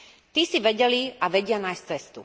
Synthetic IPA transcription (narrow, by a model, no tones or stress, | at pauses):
t̪isiʋɛɟɛliaʋɛɟɪanaːjst͡sɛst̪ṵ